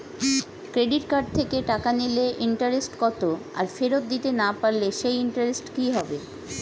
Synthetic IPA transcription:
kɾeɖiʈkaɖ̚t̪ʰekeʈakanileʔiɳʈaɾesʈkɔt̪oa̰ɾfeɾot̪̚d̪it̪enapaɾleʃejiɳʈaɾesʈkiɦɔbe

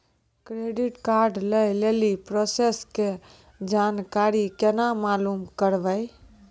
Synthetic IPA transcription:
kɾeɖiʈkaɾɖləjlelipɾoseske | d͡ʒankaɾikenamalumkəɾbəj

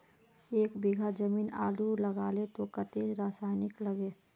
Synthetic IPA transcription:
eːkbiɡʱad͡ʒəmiːna̰ːluləɡaːlet̪okət̪eɾaːsaːɪnɪkləɡe

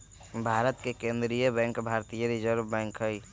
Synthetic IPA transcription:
bʱaːɾət̪kekẽnd̪ɾijəbɛ̃ŋkbʱaɾt̪ijəɾid͡ʒəɾbbɛ̃ŋkɦəj

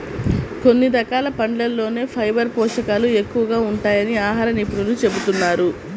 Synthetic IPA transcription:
ko̞nːid̪ɐkaːlɐpɐɳɖlɐlːo̞ːne̞ːpʰɐjbɐɾpɔːʂɐkaːlue̞kːuʋɐɡaːuɳʈaːjɐniaːɦaːɾɐnipuɽulut͡ʃe̞but̪unːaːɾu

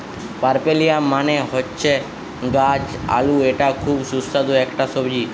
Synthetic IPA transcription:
paɾpelijamaneɦotːʃʰe | ɡad͡ʒa̰lueʈakʰubsusːad̪oɛkʈasɔbd͡ʑi

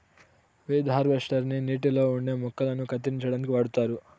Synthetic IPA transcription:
ʋid̪ʱɦaːɾʋeʂʈɐɾniniːʈilo̞ːuɳɖe̞ːmɔkːɐlɐnukɐt̪iiɲt͡ʃɐɽɐnkiʋɐɽut̪aːɾu

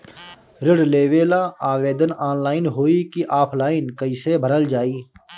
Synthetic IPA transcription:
ɾɪɽleːʋeːlaaːʋeːd̪ənaːnlaːɪnɦoːikiʔaːpʰlaːɪnkəiːsebʱəɾəld͡ʒaːiː

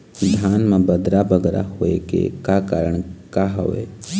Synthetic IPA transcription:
d̪ʱjaːnmẽbəd̪ɾabəɡɾa̰ɦoːekḛkakaːɾəɽ̃kaɦo̰ʋḛː

